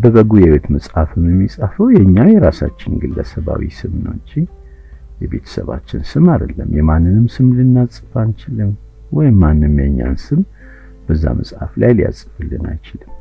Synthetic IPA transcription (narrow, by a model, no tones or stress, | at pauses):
bəβəɡujɛwet̪mɨsʼhafɨmjɛmːisʼafəwjɛɲːajɛɾasat͡ʃːɪnɡɨlːəsəβawḭsɨmɨno̰t͡ʃːi | jɛbe̞t̪ʰə̥səβa̰t͡ʃːɪnsɨmad̪əlːəmjɛmanːɨnɨmsɨmlɨnːasʼɨfant͡ʃɪlɨn | wɔjɪmːanːɨmjɛɲːa̰nsɨm | b̥əzːa̰mʔəsʼhaflajlija̰sʼɨfɨlːɨna̰jt͡ʃɪlɨm